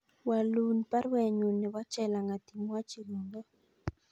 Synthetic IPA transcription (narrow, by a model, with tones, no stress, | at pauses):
wa˨lu˨npa˦ɾwɛ˨ɲu˨nːɛ˨wa˦t͡ʃɛ˦˨la˨ŋa˨t̪i˨mwa˦t͡ʃi˨lu˨ŋdɔ˦